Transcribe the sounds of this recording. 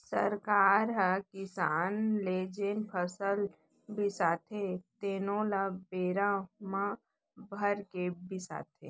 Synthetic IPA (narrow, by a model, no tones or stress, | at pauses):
sə̰ɾkaːɾɦɛkɪsaːnleːd͡ʒenpʰəsəl | bɪsaːt̪ʰet̪eːnõlabeːɾãmã | bʱəɾkebɪsa̰ːt̪ʰḛː